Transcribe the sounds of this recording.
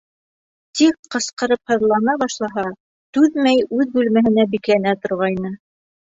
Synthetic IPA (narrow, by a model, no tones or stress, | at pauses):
t̪ikqɤ̆sqɤ̆ɾɤp̚hɤ̆ðlˠɑnɑβɑʃlˠɑɦɑ | t̪ʉðmæjʉðbʉlmæɦɘ̆næbiklænæt̪ŏɾʁɑjnɤ